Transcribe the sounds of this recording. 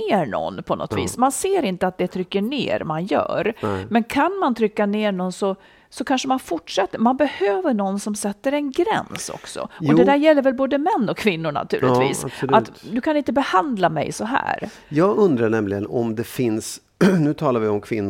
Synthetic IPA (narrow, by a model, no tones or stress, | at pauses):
eːɳɔ̰nːpʰɔnɔ̰t̪vḭːsmanseːɾɪnt̪əat̪̚d̪ɛt̪ʰɾʏkːəɳḛːɾmanjœ̰ːɾmɛnkʰanmant̪ʰɾʏkːaneːɳɔnsɔ | sɔkʰanʂəmanfʊʈʂɛt̪ːəmanbɛhøːvəɳɔnːsɔmsɛt̪ːəɾɛnɡɾɛ̰nsɔ̰ksɔ̰ɔd̪ɛd̪æːɾjɛlːəɾvɛlboːd̪əmɛnːɔkʰːvɪnːʊɾɳa̰t̪ʰʉ̟ːlʔɪt̪vḭːssʔat̪ːd̪ɵkʰanɪnt̪əbɛhand̪lamɛ̰jsɔɦæ̰ːɾ | jɑːɡɵnd̪ɾaɳɛmlɪɡənɔmd̪ɛfɪns | nʉ̟ːt̪ʰɑːlaɾvɪɔmkʰvɪnː